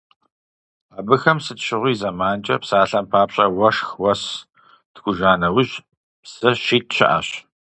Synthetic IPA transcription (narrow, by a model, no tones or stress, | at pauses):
aːbɨxɐmsɨtɕɪʁʷiːzamaːnt͡ʃʼɐ̰psaːɬɐmpʰaːpɕʼɐwɐʂxwɐs | tɡʷʊʒaːnɐwʑ | psɐɕiːt̚ɕɪ̰ʔa̰ɕ